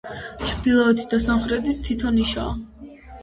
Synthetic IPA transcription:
t͡ʃʰɾd̪ilˠɔɛt̪ʰid̪asamχɾɛt̪it̪ʰːit̪ʰɔniʃa̰ː

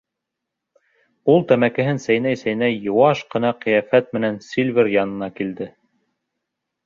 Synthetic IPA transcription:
ulˠt̪æmækɘ̆ɦɘnsæjnæjsæjnæjjːŏwɑʃqɤ̆nɑqɤ̆jæfæt̪̚mɘ̆nænsʲilʲβɘɾjɑnɤ̆nɑkild̪ɘ

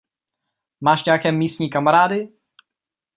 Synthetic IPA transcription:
maːʃɲɛjakɛːmiːstɲiːkamaɾaːdɪ

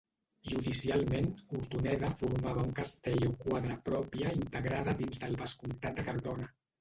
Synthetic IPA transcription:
ʒuðisialˠmenuɾt̪unɛðafuɾmaβ̞auŋkast̪eʎokwaðɾəpɾɔpiəint̪əɣɾaðəðinzðəlˠβəskunt̪at̪̚d̪əkaɾβɔna

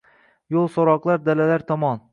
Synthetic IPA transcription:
jolˠsɒɾɒqlˠaɾd̪alalaɾt̪ʰɒmɒn

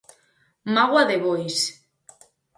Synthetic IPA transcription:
maɣwaðeβojs

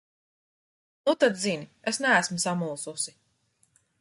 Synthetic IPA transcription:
nut̪ad̪zinʲiesnæːsmusamulˠsusi

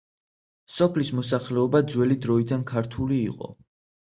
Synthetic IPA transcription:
sɔpʰlismɔs̬aχlɛɔbad̪zwɛlid̪ɾɔid̪ankʰaɾt̪ʰulḭːqʼɔ̰

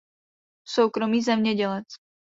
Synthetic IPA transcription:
sowkɾo̞miːzɛmɲɛɟɛlɛt͡s

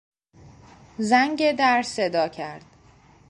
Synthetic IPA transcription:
zæŋɟed̪æɾse̞d̪ɒːcʰæɾd̪̥

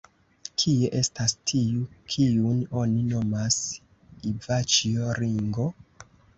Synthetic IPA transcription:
kʰieʔe̞stastʰiukʰiuno̞nino̞mas | ivat͡ʃioɾiŋɡo̞

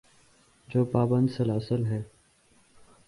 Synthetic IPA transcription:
d͡ʒoːpaːbənd̪səlːəsəlɦɛː

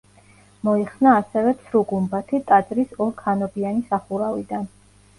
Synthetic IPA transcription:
mɔiχsnaːsɛvɛt̪sʰɾuɡumbat̪ʰit̪ʼad̪zɾisɔlkʰanɔbianisaχuɾavid̪an

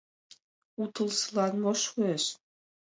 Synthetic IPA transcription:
ut̪əlsəlɑnmoʃueʃ

